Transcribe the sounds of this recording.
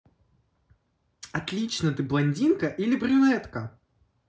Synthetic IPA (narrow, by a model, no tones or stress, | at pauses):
ɐt̪lʲit͡ɕnət̪ɨblˠɐnʲdʲinkɐʔilʲɪbɾʲʊnɛt̪kɐ